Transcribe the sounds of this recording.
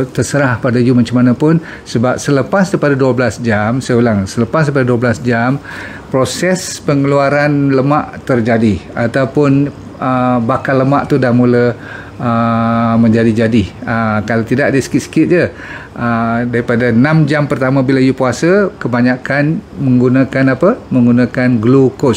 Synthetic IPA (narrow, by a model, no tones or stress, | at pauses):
t̪ərsəɾahpadajumaɲt͡ʃamanapʊn | səbap̚sələpasdaipadaduəblasd͡ʒamsajolaŋsələpasdaip̬adaduəblasd͡ʒam | pɾosɛspəŋəluaɾanləmaʔt̪ərd͡ʒadiat̪awpʊn | əbakaləmaʔt̪udahmulə | əmə̃ɲd͡ʒadid͡ʒadɪhəkalat̪idaʔdəsə̥kɪt̪sə̥kɪt̪̚d͡ʒə | ʔədaɾipadanãmd͡ʒampərt̪amãbilaijupuasəkəbaɲakanmə̃ŋɡunakanapəmə̃ŋɡunãkanɡlokos